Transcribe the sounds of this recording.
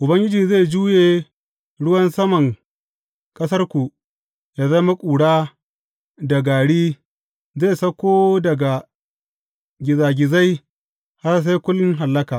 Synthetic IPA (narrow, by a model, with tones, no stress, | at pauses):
ʔʊ˨bɐ˦ŋɡʲɪ˦d͡ʒiː˨zeː˦˨d͡ʒuː˦jeː˨ | ɽʊ˦wɐ˦nsɐ˦mɐ˨ŋ | kʼɐ˦sɐ˦rkʷu˨ | jaː˨zɐ˦ma˦kʷʼuː˨ɽaː˦ | dɐ˨ɡaː˨ɽiː˦ | zeː˦˨sɐ˦kʷoː˦dɐ˨ɡa˨ | ɡʲɪ˨zaː˨ɡʲɪ˨za˦j | ha˦rs̬a˦jkʷʊ˦lːʊ˦ŋɦa˨lːɐ˦kaː˨